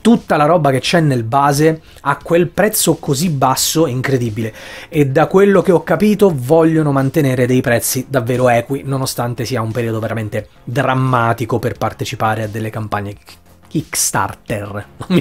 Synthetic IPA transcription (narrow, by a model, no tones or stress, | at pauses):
t̪ut̪ːalaɾɔbaket͡ʃːɛnːelbaːze | akːwelpɾɛt̪sːokozibːasːoeiŋkɾed̪ibileed̪ːakwelːokeɔkːapiːt̪ovɔʎːonomant̪eneːɾed̪ejpɾɛt̪sːid̪avːeːɾoɛːkwinonost̪ant̪esiːaumpeɾiːod̪oveɾament̪e | d̪ɾamːaːt̪ikoperpart̪et͡ʃipaːɾead̪ːelːekampaɲːe | kikst̪a̰rt̪ernomːi